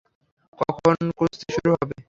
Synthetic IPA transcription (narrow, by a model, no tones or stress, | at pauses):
kɔkʰonkost̪ʰeʃuɾuɦɔbe